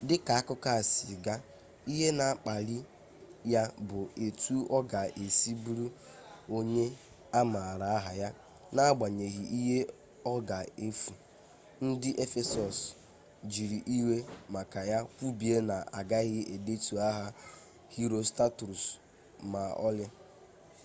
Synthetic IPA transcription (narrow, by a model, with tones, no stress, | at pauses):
dɪ˦ka˨a˦kʊ˦ka˦˨sɪ˨ɡa˦ | i˦ɦe˦na˨a˨k͡pa˨li˦ | ja˦bʊ˨e˨tu˦ɔ˦ɡa˨ʔe˨si˦bu˦ɾu˦ | o˦ɲe˦ | a˦ma˨ɾa˨a˦ɦa˨ja˦ | na˦a˦ɡ͡ba˨ɲe˨ɣi˨ʔi˦ɦe˦ | ɔ˦ɡa˨e˨fu˨ | n̩˦dɪ˦ʔe˦fe˦sɔ˨s | d͡ʒi˨ɾi˨ʔi˦we˦ma˨ka˨ja˦kʷu˦bi˨e˦na˨a˨ɡa˦ɣɪ˦e˨de˦tu˨a˦ɦa˦ | hi˦ɾo˦sta˦tu˨ɾu˨s | ma˨ɔ̰˦lɪ˦